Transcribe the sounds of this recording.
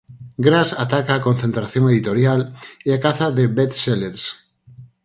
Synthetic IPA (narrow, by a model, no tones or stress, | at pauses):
ɡɾasat̪akaːkonθẽnt̪ɾaθjoŋeðit̪oɾjaleakaθaðebet̪seleɾs